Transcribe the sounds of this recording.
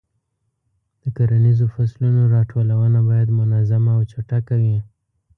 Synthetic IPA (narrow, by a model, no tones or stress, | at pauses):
d̪̥əkaɾanizofaslunoɾɑʈʰolawənabɑjad̪mʊnazamaːwt͡ʃaʈakawi